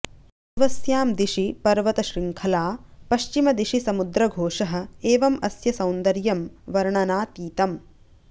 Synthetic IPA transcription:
ʋɐsjaːmd̪iʃipɐɾʋɐt̪ɐʃɾiŋkʰɐlaːpɐʃt͡ʃimɐd̪iʃisɐmud̪ɾɐɡʱoːʂɐɦɐ̆eːʋɐmɐsjɐsɐwnd̪ɐɾjɐmʋɐɾɳɐnaːt̪iːt̪ɐm

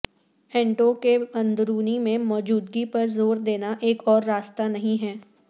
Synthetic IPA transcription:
ɛ̃ːɳʈokeɐ̃nd̪ɾuːnimẽmɔːd͡ʒuːd̪ɡipɐɾzoːɾd̪eːnaʔeːkɔːɾːaːst̪anɐɦĩɦɛː

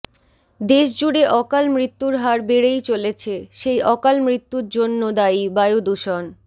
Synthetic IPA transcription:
d̪eʃd͡ʑuɽeʔɔkalmɾit̪ːuɾɦaɾbeɽejt͡ɕolet͡ɕʰeʃejʔɔkalmɾit̪ːuɾd͡ʑonːod̪ajbaeod̪uʃon

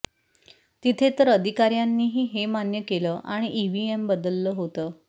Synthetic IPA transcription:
t̪it̪ʰet̪əɾəd̪ʱikaɾjanːiːɦiːɦemanjəkeləːʔaɽ̃iʔiʋiembəd̪əlːəːɦot̪əː

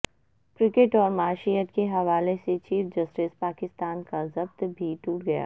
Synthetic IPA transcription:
kɾɪkɪʈɔːɾmaːʃijət̪keɦɐʋaːleset͡ʃiːfd͡ʒɐsʈɪspaːkɪst̪aːnkazɐbt̪bʱiʈuːʈɡɐja̰ː

